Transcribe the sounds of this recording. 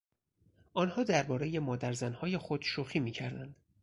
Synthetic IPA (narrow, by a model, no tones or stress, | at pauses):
ʔɒːnhɒːd̪æɾbɒːɾe̞je̞mɒːd̪æɾzænhɒːje̞xod̪̥ʃuxiːmiːcʰæɾd̪ænd̪̥